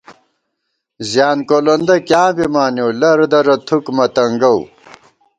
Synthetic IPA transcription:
zjaːnkolɐnd̪ɐkjãːbimaːnjowlɐɾd̪ɐɾɐt̪ʰukmɐt̪ɐŋɡɐw

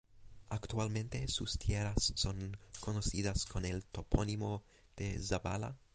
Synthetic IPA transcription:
akt̪ualme̞nt̪e̞sust̪jeɾassonkonosidaskonelt̪o̞ponimo̞ | d̪̥e̞zaba̰la̰

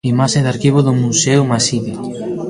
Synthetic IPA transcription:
imaʃeðaɾkiβoðʊmusewmasiði

